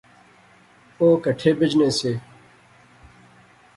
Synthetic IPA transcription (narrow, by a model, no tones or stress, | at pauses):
oːkəʈʰeːbɪd͡ʑneːseː